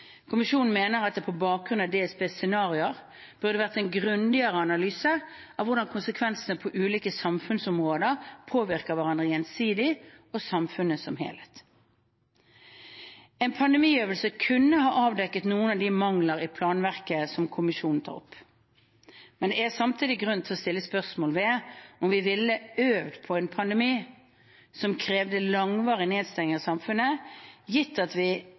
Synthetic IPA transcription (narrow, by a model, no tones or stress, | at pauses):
kʰʊmɪʃuːnn̩meːnəʁɑt̪d̪ɛpʰɔbɑːk̚ɡʁʉnɑd̪eːɛsbeːsɛnɑːʁɪəʁ | b̥ʉʁd̪əʋæːʁt̪ɛnɡʁʉnd̪ɪəʁəɑnɑlyːsə | ɑʋʊʁd̪ɑnkʰʊnsəkʰʋɛnsənəpʰɔʔʉːliːkəsɑmfʉnsʊmʁoːd̪əʁpʰoːʋɪʁkəʁʋæʁɑnd̪ʁəjɛnsiːd̪ɪ | ɔsɑmfʉnəsɔmɦḛːlhet̪ | ɛnpʰɑnd̪ɛmiːøːʋəlsəkʰʉnːəhɑːʔɑːʋd̪ɛkːət̪nuːənɑʋd̪ɪmɑŋləɾɪpʰlɑːnʋæʁkəsɔmkʰʊmɪʃuːnn̩t̪ʰɑ̰ːʁʊ̰pː | mɛnd̪ɛæsɑmt̪ʰiːd̪ɪɡʁʉnt̪ʰɪlɔst̪ɪlːəspœʁsmoːlʋɛɔmʋɪʋɪlːəøːʋd̪pʰɔɛnpʰɑnd̪əmiː | sɔmkʰɾeːʋd̪əlɑŋʋɑːʁɪneːd̪st̪ɛŋɪŋɑsɑmfʉnəjɪt̪ːɑt̪ʋɪ